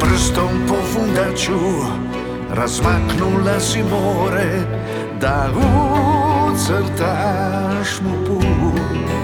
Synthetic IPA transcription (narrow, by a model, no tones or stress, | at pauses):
pɾəst̪ɔumpɔfund̪at͡ʃu | razmaknulasimɔɾe | d̪aɣu | sɛlt̪a | ʃmupu